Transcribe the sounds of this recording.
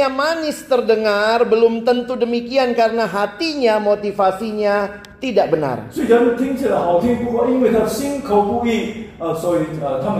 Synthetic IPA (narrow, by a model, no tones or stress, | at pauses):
amanɪst̪ərdəŋarbəlʊmt̪ənt̪udəmikiankaɾənaɦat̪iɲamot̪ifasiɲa | t̪idaʔ̚bəna̰rsoidant̪ʰɪ̃ŋtəlaɦawt̪ʰɪ̃ŋpuwainwid̪afsɪ̃ŋkʰowpukiəsoiət̪ʰãm